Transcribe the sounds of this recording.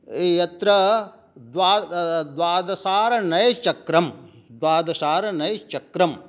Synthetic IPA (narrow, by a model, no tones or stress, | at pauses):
ejɐt̪ɾɐ | d̪ʋaːd̪ʋaːd̪ɐsaːɾɐnɐjt͡ʃɐkɾɐm | d̪ʋaːd̪ɐsaːɾɐnɐjɐt͡ʃɐkɾɐm